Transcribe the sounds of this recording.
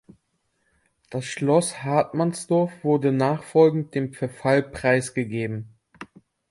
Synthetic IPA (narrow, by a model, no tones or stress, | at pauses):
d̥asʃlɔshaɐtmansd̥ɔɐfv̥ʊɐdənaːχfɔlɡŋ̩t̚d̥eːmfɛɐfalpʁ̥aɪsɡ̥əɡeːbm̩